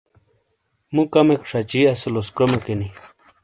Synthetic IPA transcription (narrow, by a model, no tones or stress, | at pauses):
mukamekʂat͡ɕiɐseloskɾomakeni